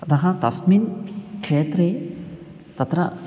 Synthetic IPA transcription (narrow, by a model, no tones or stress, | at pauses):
d̪ɐɦãt̪ɐt̪minkʂeːt̪ɾe | t̪ɐt̪ɾɐ